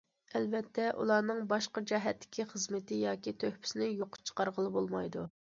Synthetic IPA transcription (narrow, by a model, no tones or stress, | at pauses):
ɛlbɛt̪ʰːɛʔṵlˠɑːnɨŋbɑʃqɑd͡ʒɛɦɛt̪ːɪ̥kʲiχəzmɪt̪ɪjɑːkʲit̪ʰøhpʰɪ̥sɪnɪjoqʰʊ̥t͡ʃʰə̥qɑɾʁəlˠɨbolˠmɑjd̪u